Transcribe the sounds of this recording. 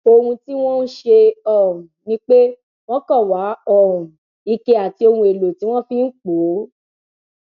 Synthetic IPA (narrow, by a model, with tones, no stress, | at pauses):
o˧hũ˧ti˦w̃ɔ̃˦n̩˦ʃe˧ɔ˦˨ɾũ˨nĩ˦k͡pe˦ | w̃ɔ̃˦kɔ˦˨wa˨˦ɔ˦˨ɾũ˨ | i˧ke˧a˨ti˧o˧hũ˧˦e˨lo˨ti˨˦w̃ɔ̃˦fĩ˦n̩˦k͡po˨˦